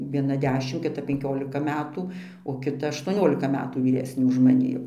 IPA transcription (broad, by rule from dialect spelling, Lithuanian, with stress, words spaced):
ʋʲiɛˈnɐ ˈdʲæːʃʲɪm kʲɪˈtɐ pʲɛŋʲˈkʲoːlʲɪkɐ ˈmʲæːtuː oː kʲɪˈtɐ ɐʃtuɔˈnʲoːlʲɪkɐ ˈmʲæːtuː ʋʲiːˈrʲæːsʲnʲeː ʊʃ mɐˈnʲɪ jɛʊ